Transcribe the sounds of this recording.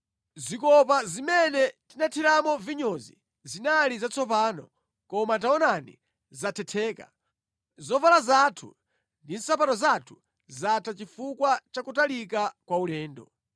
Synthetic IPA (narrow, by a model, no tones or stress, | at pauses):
zikɔpazimɛnɛtinatʰiɾamɔviɲɔzḭ | zinalizat͡sʰɔpaːnɔ̰ | kɔmat̬aɔnanḭ | zatʰɛtʰɛːka̰ | zɔvalazatʰṵ | ndin̩sap̬atɔzatʰu̥ | zatʰat͡ʃifukwat͡ʃakutalikakwaulɛːndɔ̰